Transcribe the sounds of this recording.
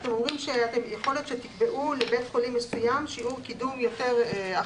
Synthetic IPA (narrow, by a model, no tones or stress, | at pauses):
t̪e̞mo̞mʁimʃeat̪e̞mjeχo̞let̪ʃet̪ikbe̞ʔulebetχolimːesujamʃiuʁkidumjo̞te̞ʁa